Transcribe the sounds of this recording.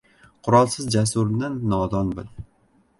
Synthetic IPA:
qʰʊɾɒlˠsɪzd͡ʒasʊɾnanːɒd̪ɒnbɪ̰l

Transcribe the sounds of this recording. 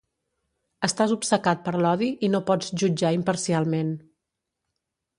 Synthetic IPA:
əst̪azupsəkat̪̚pəɾlɔðiʔinopɔd͡zʒud͡ʒaimpəɾsialˠmen

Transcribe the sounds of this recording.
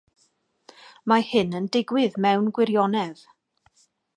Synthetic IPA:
mahɨnəndɪɡwɪðmɛwnɡwɪɾjɔnɛv̥

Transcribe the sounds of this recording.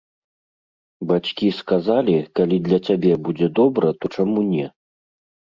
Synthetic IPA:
bat͡sʲkʲiskazalʲikalʲid̪lʲɐt͡sʲabʲɛbud͡zʲɛd̪ɔbɾɐt̪ɔt͡ʂamunʲɛ

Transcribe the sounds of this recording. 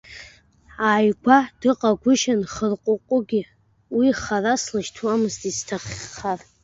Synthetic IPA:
aːjɡʷad̥ɨqʼaɡʷʊʃanχərqʷʼʊqʷʼʊɡʲɪ | wiχaraslaʃtʰwamɨztʼiztʰaχʲːar

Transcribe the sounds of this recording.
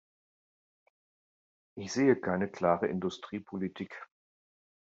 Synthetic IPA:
ʔɪçz̥eːəkʰaɪnəkl̥aːʁəʔɪndʊstʁ̥iːpʰolitʰiːk

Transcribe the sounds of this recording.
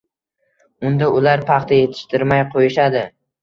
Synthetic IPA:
ʊnd̪aʊlaɾpʰɑχt̪ʰaje̞t̪ʰɪ̥ʃt̪ʰɪɾmajqʰojɪʃad̪ɪ

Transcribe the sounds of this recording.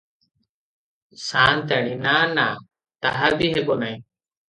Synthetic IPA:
saːnt̪ɛːɽ̃inaːnaː | t̪aɦabiːɦeɓoːnaĩ

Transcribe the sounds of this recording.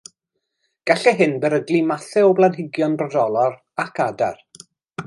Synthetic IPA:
ɡ̥aɬɛɦɨnbɛɾəɡlˠimaθɛɔblˠanɪɡjɔnrɔdɔlˠɔɾ | akʰada̰r

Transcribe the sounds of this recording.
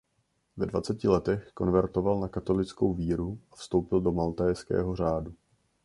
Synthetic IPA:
vɛdvat͡sɛcɪlɛt̪ɛxko̞nvɛɾt̪o̞valnakat̪o̞lɪt͡sko̞wviːɾuʔafst̪o̞wpɪldo̞malt̪ajskɛ̰ːɦo̞r̝aːdu

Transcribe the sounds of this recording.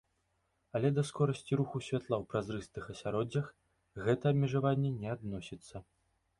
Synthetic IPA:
ɐlʲɛd̪ɐskɔɾɐsʲt͡sʲiɾuxusʲvʲat̪lˠawpɾazɾɨst̪ɨxɐsʲaɾɔd͡zʲːɐx | ɣɛt̪ɐɐbmʲɛʐavanʲːɛnʲɛad̪nɔsʲit̪sːɐ

